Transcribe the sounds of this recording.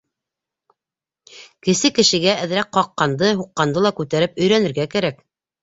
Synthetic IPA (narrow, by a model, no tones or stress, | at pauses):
kɘ̆sɘkɘ̆ʃɘ̆ɡæʔæðɾæk̚qɑqːɑnd̪ɤɦuqːɑnd̪ɤlˠɑkʉt̪æɾɘpɵ̆jɾænɘ̆ɾɡækæɾæk